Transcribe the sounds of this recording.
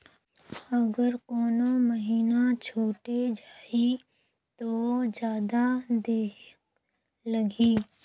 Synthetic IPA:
ɐɡəɾkoːnõməɦiːnat͡ʃʰoːʈed͡ʒaːi | t̪od͡ʒjaːd̪ad̪eːɦɪk̚ | lɐɡiː

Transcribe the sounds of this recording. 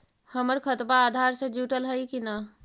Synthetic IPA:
həməɾkʰət̪baːd̪ʱaɾsẽd͡ʒuʈəlɦəjkina

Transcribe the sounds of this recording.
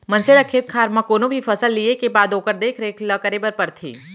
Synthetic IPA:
mɐnseɾɐkʰeːt̪̚kʰaːɾmãkoːnõbʱifʰɐsəlːiekebaːd̪oːkəɾd̪eːkʰɾeːklɐkəɾebəɾpɐɾt̪ʰḭː

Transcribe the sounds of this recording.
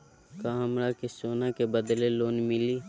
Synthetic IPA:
kaːmɾakesoːnakebəd̪leloːnmɪliː

